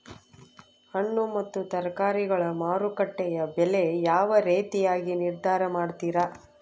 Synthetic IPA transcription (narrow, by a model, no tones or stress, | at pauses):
hɐɳːumɐt̪ːut̪ɐɾkaːɾiɡɐɭɐmaːɾukɐʈːɛjɐbɛlejaːʋɐɾeːt̪ijaːɡiniɾd̪ʱaːɾɐmaːɽt̪iːɾɐ